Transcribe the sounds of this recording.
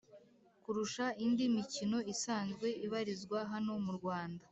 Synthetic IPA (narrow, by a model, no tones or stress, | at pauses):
kuɾuʃaindimicino̞isaːnzɡwe̞iβaɾizɡwaɦano̞muɾɡwaːnda